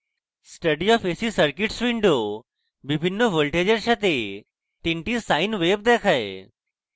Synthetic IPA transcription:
sʈəɖijɔfeːsisəɾkɪʈsʋiɳɖo | bɪbʱɪnːoʋolʈeːd͡ʑəɾʃʰɐt̪e | t̪ɪɳʈisaːɪnʋeːb̚d̪eːkʰaḛ

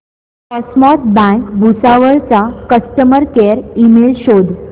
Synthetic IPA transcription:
kɔsmɔt̪bãkbʱusaʋəɭt͡sakəsʈəməɾkeɾimelɕod̪

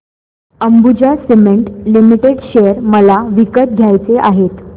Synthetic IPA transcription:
əmbud͡ʑasemeɳʈlimiʈeɽɕejəɾməlaʋikət̪̚ɡʱjajt͡seʔaɦet̪

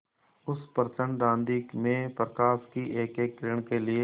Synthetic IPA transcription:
ʊspəɾt͡ʃə̃ɳɖɖ̪ãːnd̪imẽpɾəkaːskiʔeːkeːkːɾɪɳ̃kelɪe

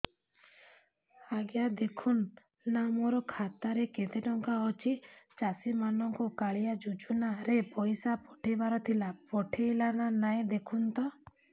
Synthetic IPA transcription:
aɡjad̪ekʰunː | amoɾɔkʰat̪aɾeket̪eʈɔŋkaɔt͡ʃʰit͡ʃasimanɔŋkɔkaɭijad͡ʒud͡ʒunaɾepɔjsapɔʈʰebaɾɔt̪ʰilapɔʈʰejlananaj̃d̪ekʰunt̪ɔ

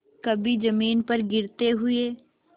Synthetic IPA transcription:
kəbiːd͡ʒəmiːnpəɾɡɪɾt̪eːɦʊeː

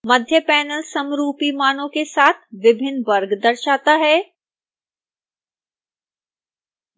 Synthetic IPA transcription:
mɐd̪ʱjəpɛːnəlsɐmɾuːpimaːnõkesaːt̪ʰʋɪbʱɪnːʋɐɾɡd̪ɐɾʃaːt̪aɦɛː

